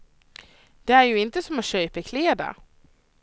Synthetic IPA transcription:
d̪̥ɛæɾjɵɪnt̪əsɔmɔɕøːpəkʰleːd̪a̰

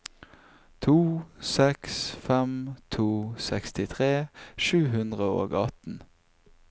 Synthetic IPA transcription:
t̪ʰuːsɛksfɛmt̪ʰuːsɛkst̪ɪt̪ʰʁeːʃʉːɦʉnd̪ʁəo̰ːɡɑt̪n̩

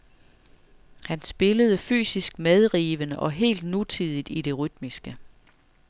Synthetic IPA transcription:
hænsb̥e̝ləð̞ˠəfy̰ːsisɡ̥̚með̞ˠʁiːʋənəʔɒ̽ɦe̝̰ːld̥nut͡sʰið̞ˠid̥id̥e̝ʁyd̥misɡ̥ə

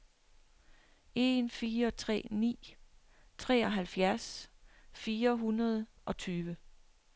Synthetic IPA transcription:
e̝nfiːɐɒt͡sʰʁɛ̰ːnḭː | t͡sʰʁɛ̰ːɒ̽ɦælfjæɐs | fiːɐɦunɐð̞ˠʔɒ̽t͡sʰyːʋə

